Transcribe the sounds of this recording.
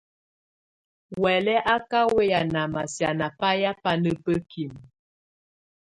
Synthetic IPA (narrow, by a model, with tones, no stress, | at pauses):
wɛ˨lɛ˦ʔa˦ka˦we˦ja˨na˨ma˨sja˨na˨pa˦ja˦pa˦nə˦pə˦kʰi˨m